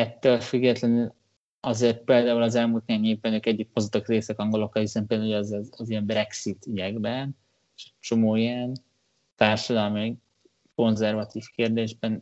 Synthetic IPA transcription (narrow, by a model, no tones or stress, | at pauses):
ɛt̪ːøːlfyɡːɛt̪lɛnyl | ɒzeːrt̪̚peːld̪aːulɒzɛlmuːlt̪niaɲeːvbɛnøːkɛɟːik̚mozot̪ːɑkreːsɛkɒŋɡo̞lo̞kːɒlhisɛmpeːld̪uɛzɛzzijɛmbɾɛksit̪ydɛɡbɛn | eʃɛct͡ʃo̞moːiɛn | t̪aːrʃɒd̪ɒlmi | ko̞nzɛrvɒt̪iːfkeːrd̪eːʒbɛn